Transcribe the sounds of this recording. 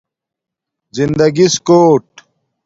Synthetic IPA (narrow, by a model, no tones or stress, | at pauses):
zind̪ɐɡiskoːʈ